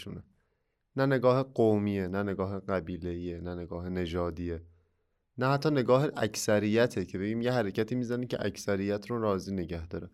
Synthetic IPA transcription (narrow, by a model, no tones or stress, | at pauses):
une | næne̞ɡɒːhe̞ɢowmiːenæne̞ɡɒːɦeɢæbiːle̞iːenæne̞ɡɒːhene̞d͡ʒɒːd̪iːe | næhæt̪ʰːɒːne̞ɡɒːheʔæcʰsæɾijːæt̪ʰecʰe̞be̞ɟiːmjeɦæɾecʰæt̪ʰiːmiːzænicʰe̞̰ʔæ̰cʰsæɾijæt̪ʰɾoɾɒːziːneɟæhd̪ɒːɾæ